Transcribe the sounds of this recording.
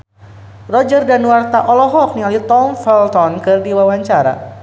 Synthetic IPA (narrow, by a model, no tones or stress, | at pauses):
rɔd͡ʒərdanuart̪aʔɔlɔɦɔk̚niŋalit̪ɔmfɛlt̪ɔnkɨrdiwawaɲt͡ʃaɾa̰